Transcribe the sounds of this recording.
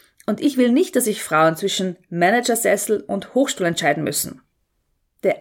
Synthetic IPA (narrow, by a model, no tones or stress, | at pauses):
ʔʊntɪçv̥ɪlnɪçt̚d̥as̬zɪçfʁ̥aʊənt͡sv̥ɪʃn̩mɛnɛd͡ʒɐzɛsl̩ʊnthoːxʃtuːlɛntt͡ʃaɪdn̩mʏ̰sn̩ | d̥eːɐʔ